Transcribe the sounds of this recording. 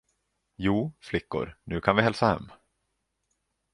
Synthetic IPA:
juːflɪkːʊ̰ɾnʉ̟ːkʰanvɪhɛlsahɛ̰mː

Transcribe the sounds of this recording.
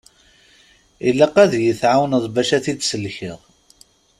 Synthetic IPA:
ilːæqæðjəθʕawnəðˤbæʃæθid̪səlçiðˤ

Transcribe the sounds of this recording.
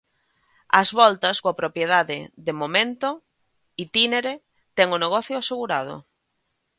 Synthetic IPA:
ɐzβɔlt̪ɐskoɐpɾopjeðaðɪðemomẽnt̪o | it̪ineɾe | t̪ɛŋʊneɣɔθjʊaseɣuɾað̞o̰

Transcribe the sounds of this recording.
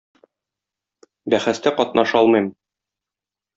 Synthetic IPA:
bæχæst̪æqɒt̪̚nɑʃɒlˠmɤ̆jm

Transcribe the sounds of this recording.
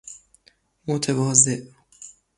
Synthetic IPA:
mot̪ʰevɒːzeʔ

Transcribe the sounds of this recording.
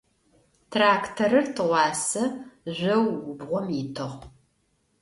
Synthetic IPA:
tʰraːktʰɐɾɨrtʰɨʁʷɑːsɐʑʷɐwʊbʁʷɔmitʰɨʁ

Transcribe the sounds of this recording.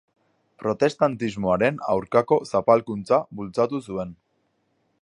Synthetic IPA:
pɾo̞t̪e̞st̪ant̪izmo̞aɾe̞na̰wɾkako̞sapalkunt͡sabult͡sat̪usue̞n

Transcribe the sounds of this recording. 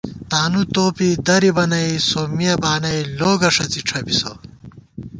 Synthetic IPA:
t̪aːnut̪oːpid̪ɐɾibɐnɐisoːmijɐbaːnɐiloːɡɐʂɐt͡siʈ͡ʂʰɐbiso̰

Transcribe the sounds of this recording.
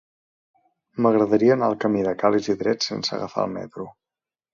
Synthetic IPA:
məɣɾəðəɾiənaəlˠkəmiðəkaliziðɾɛsḛnsə̰ɣəfa̰əlˠmɛ̰t̪ɾu

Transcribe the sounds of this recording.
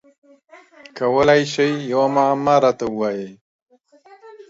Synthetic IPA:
kawəlajʃejːawamamaɾat̪auwaje

